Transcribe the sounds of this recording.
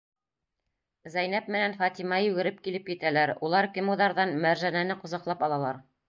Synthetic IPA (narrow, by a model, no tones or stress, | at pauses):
zæjnæp̚mɘ̆nænfɑt̪imɑjʉɡɘ̆ɾɘp̚kilɘpjɘ̆t̪ælæɾulˠɑɾkɘmuðɑɾðɑnmæɾʒænænɘqŏzɑqlˠɑpɑlˠɑlˠɑɾ